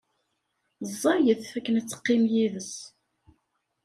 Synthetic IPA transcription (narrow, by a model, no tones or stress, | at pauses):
zˤːɑjəθfækːənæt͡sːə̥qːimjiðəs